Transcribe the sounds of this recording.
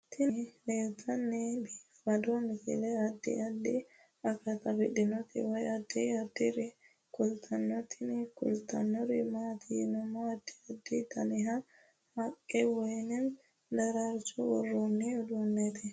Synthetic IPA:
t̪ʰɪnleːwt̪ːɐnːɛbiːfɐd̪ɔnɪfɪ̰lɛɐd̪ːɪ̰ɐd̪ːɪ | ɐkːɐt̪ɐfɪᶑɪnɔt̪ɪ̰wɐjɐd̪ɪɐd̪ɪɾɪ | kʊlt̪ʰɐnːɔt̪ʰɪnɪkʊ̰lt̪ɐ̰nːɔɾɪmaːt̪ʰɪnɐmoɐd̪ːɪ̥ɐd̪ːɪt̪ɐnɪɦɐ | hɐkʼːɛwɔjnɪn | d̪ɐɾɐɾsʊwɔrːonːiʊd̪ʊnːɛt̪ɪ

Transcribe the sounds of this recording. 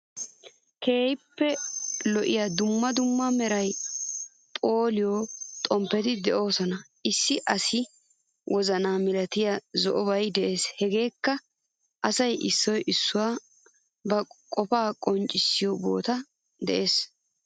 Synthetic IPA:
ke̞ːjɪpːɛlɔʔɪjad̪ʊmːɐd̪ʊmːɐmɛɾɐj | pʼo̞ːlɪjɔt̪ʼɔmpːɛt̪ɪd̪ɛʔo̞ːsɔnɐʔɪsːɪʔɐsɪ | wʔɔzɐnaːmɪlɐt̪ɪjazɔʔɔbɐjd̪ɛʔe̞ːshɛɡe̞ːkːɐ | ʔɐsɐjʔɪsːɔjʔɪsːʊwaː | bɐkʼɔpaːkʼɔnt͡ʃʼɪsːɪjɔbo̞̰ːt̪ɐ | d̪ɛʔe̞ːs

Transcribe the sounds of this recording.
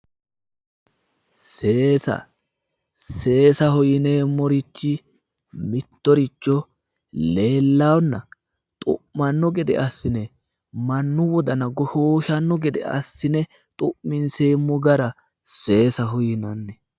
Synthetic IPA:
se̞ːsɐ̰ | se̞ːsɐhʊjɪne̞ːmːɔɾɪt͡ʃːɪ | mɪt̪ːɔɾɪt͡ʃːɔ | le̞ːlːawnːɐ | t̪ʼʊ̰ʔmɐnːɔɡɛd̪ɛ̰ɐsːɪnɛ | mɐnːʊwɔd̪ɐnɐɡɔhoːʃɐnːɔɡɛd̪ɛ̰ʔɐ̰sːɪnɛ | t̪ʼʊʔmɪnseːmːɔɡɐɾɐ | se̞ːsɐɦʊjɪnɐnːɛ

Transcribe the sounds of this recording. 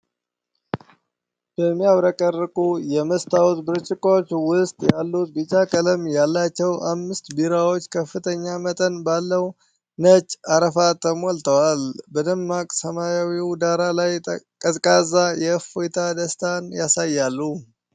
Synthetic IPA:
b̥əmːijaβɾəkʼərːəkʼujɛməst̪ʰawt̪bɨɾt͡ʃʼːɪkʼot͡ʃːwʊst̪ʼjalːut̪̚bit͡ʃʼːakʼələmjalːat͡ʃːɛwʔamːɨst̪biɾawo̞t͡ʃːkʰəfːɨt̪ʰəɲːamət̪ʼənbalːəw | nət͡ʃʼːaɾəfat̪ʰəmolt̪ʰəwalbəd̪əmːakʼsəmajawiwd̪aɾalajkʼətʼkʼazajɛfojt̪ʰad̪əst̪ʰanjasajːalːu

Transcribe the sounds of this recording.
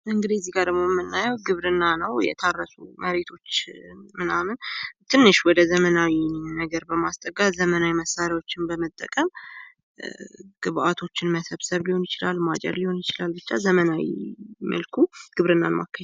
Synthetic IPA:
ʔɨŋɡɨd̪iɛzːiɡaɾɨmːomːɨnːajɛwɡɨβɾɨnːanəwjɛ̰t̪ʰarːəsuməɾe̞t̪ʰo̞t͡ʃːmɨnamɨnt̪ʰɨnːɨʃwɔd̪əzəmənawinəɡəɾbəmast̪ʼəɡʼazəmənawiməsːaɾjawo̞t͡ʃːɪnbəmət̪ʼːə̰kʼəm | ɡ̥ɨβʔat̪ʰo̞t͡ʃːɪnməsəβsəβliho̞njɪt͡ʃɪlalːmat͡ʃʼɛ̰d̪liho̞njɪt͡ʃɪlalbɨt͡ʃːazəmənawḭmʔə̰lkʰuɡ̥ɨβɾɨnːa̰nma̰kʰːə

